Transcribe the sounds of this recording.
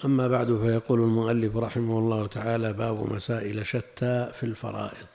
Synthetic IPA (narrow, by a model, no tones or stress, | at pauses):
ʔamːabaʕd̪fajɑquːlalmʊʔalːɪfɾˤɑħɪmahʊlˤːɑːhʊt̪ʰaʕaːlabaːbʊ̰masaːʔɪlaʃat̪ʰːaːfilfɑ̰ɾˤɑ̰ːʔɪðˤ